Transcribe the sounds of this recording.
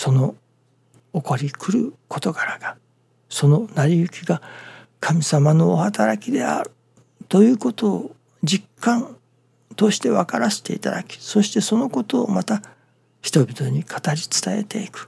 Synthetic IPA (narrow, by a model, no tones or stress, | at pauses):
so̞no̞ | oko̞ɾʲikʰɯ̟ɾɯ̟kʰo̞t̪o̞ɡaɾaɡ̥a | so̞no̞naɾʲiɯ̟kʲiɡa | kʰamʲisamano̞ːhat̪aɾakʲid̪e̞a̰ɾɯ̟ | t̪o̞jɯ̟ːko̞t̪o̞ː | d͡ʑikːãn | t̪o̞ɕi̥t̪e̞βakaɾase̥t̪e̞it̪a̰d̪akʲi̥so̞ɕi̥t̪e̞so̞no̞ko̞t̪o̞ːmat̪a | çi̥t̪o̞bʲit̪o̞ɲ̟ikʰḁt̪aɾʲit͡sɨ̥t̪ae̞̰t̪e̞ikɯ̟̥